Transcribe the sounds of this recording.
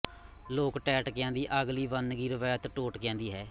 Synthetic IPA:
loːkʈɛːʈkɛ̃ːnd̪iːʔəɡliːʋənɡiːɾəʋaːt̪ʈoːʈkɛ̃ːnd̪iːɦɛː

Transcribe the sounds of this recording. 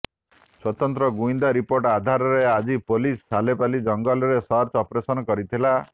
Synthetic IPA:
swɔt̪ɔnt̪ɾɔɡuind̪aɾipoɾʈad̪ʱaɾɔɾead͡ʒipolisːalepalid͡ʒɔŋɡɔlɔɾesɔɾt͡ʃɔpɾesɔnɔkɔɾit̪ʰila

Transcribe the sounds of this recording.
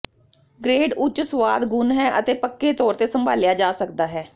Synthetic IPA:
ɡɾeːɖʊt͡ʃsʋaːd̪ɡʊnɦɛːʔət̪eːpəkːeːt̪ɔːɾt̪eːsəmbʱaːlɪjaːd͡ʒaːsəkd̪aːɦɛː

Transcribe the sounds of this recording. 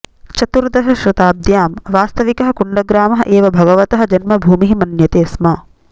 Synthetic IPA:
t͡ʃɐt̪uɾd̪ɐɦɐʃɾɪt̪aːb̚d̪jaːmʋaːst̪ɐʋikɐɦɐ̆kuɳɖɐɡɾaːmɐɦɐ̆ʔeːʋɐbʱɐɡɐʋɐt̪ɐɦɐ̆d͡ʒɐnmɐbʱuːmiɦimɐnjɐt̪eːsmɐː

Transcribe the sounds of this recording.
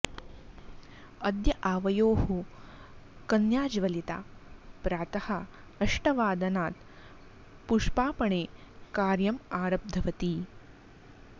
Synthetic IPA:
ɐd̪jɐʔaːʋɐjoːɦu | kɐnjaːd͡ʒʋɐlit̪a̰ːpɾaːt̪ɐhɐ | ɐʂʈɐʋaːd̪ɐnaːt̪ | puʂpaːpɐɳeː | kaːɾjɐmaːɾɐb̚d̪ʱɐʋɐt̪i

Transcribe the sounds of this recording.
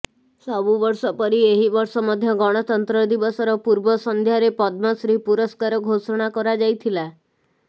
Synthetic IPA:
sɔbuʋɔɾsɔpɔɾieɦibɔɾsɔmɔd̪ʱjɔɡɔɽ̃ɔt̪ɔnt̪ɾɔd̪ibɔsɔɾɔpuɾbɔsɔnd̪ʱjaɾepɔd̪̚mɔsɾipuɾɔskaɾɔɡʱosɔɽ̃akɔɾad͡ʒajt̪ʰila

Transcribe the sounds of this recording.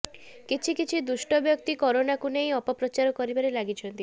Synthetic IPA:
kit͡ʃʰikit͡ʃʰid̪uʃʈɔbjɔkt̪ikɔɾonakunej̃ɔpɔpɾɔt͡ʃaɾɔkɔɾibaɾelaɡit͡ʃʰɔnt̪i

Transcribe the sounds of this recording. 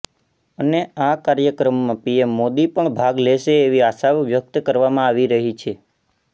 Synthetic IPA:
əneakaɾjəkɾəmːãpiemːod̪ipəɳbʱaɡleʃeːʋiasaʋʋjək̚t̪kəɾʋamãaʋiɾəɦit͡ʃʰe

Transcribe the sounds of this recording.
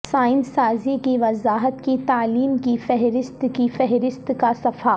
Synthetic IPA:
saːɪnsaːzikiʋɐzaːɦət̪kit̪aːliːmkifɛɦɾɪst̪kifɛɦɾɪst̪kasɐfaː

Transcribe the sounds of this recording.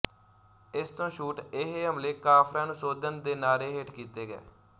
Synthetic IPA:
ɪst̪õːʃuːʈɪɦeːɦəmleːkaːpʰɾãːnũːsoːd̪ənd̪eːnaːɾeːɦeʈkiːt̪eːɡɛ̰ː

